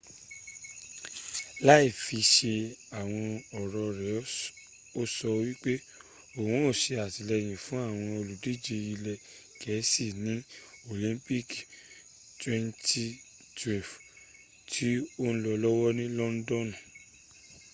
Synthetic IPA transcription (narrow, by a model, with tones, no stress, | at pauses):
la˦i˦˨fi˧ʃe˧a˨w̃ɔ̃˧ɔ˨ɾɔ˨˧ɾɛ˨ | o˦sɔ˧wi˦k͡pe˦ | o˨wũ˨˦o˦˨ʃe˧a˨ti˨lɛ˧j̃ĩ˨fũ˨˦a˦˨w̃ɔ̃˧o˧lu˨di˨˦d͡ʒe˧i˧lɛ˧ | kʰɛ˨˦si˦˨nĩ˨˦o˨lĩ˨˦mpi˦k | twɛ̃˦nti˦ | twɛ˨f | tʰi˦o˦n̩˦lɔ˧lɔ˦wɔ˦nĩ˦lɔ˦n̩˦dɔ̃˦nɔ̃˨